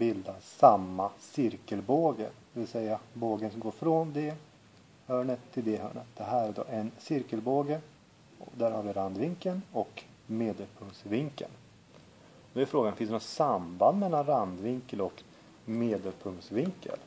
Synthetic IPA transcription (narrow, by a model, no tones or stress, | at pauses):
bɪld̪asamːasɪɾkəlboːɡə̰ɾd̪̥ɛvɪlsɛjːaboːɡənsɔmɡoːɾfɾɔnd̪ɛ | hœːɳət̪ʰːɪld̪ɛɦœ̰ːɳət̪̚d̪̥ɛɦæːɾæɖ̪o̰ʔɛnsɪɾkəlboːɡə | ɔd̪æɾhaɾvɪɾand̪vɪŋkənɔk | meːd̪əlpʰɵŋsvɪŋkə̰l | d̪ɛæɾfɾoːɡanfɪnsd̪ɛnɔsamband̪mɛlːanɾand̪vɪŋkəlɔk | meːd̪əlpʰɵŋt̪svɪŋkʰə̰l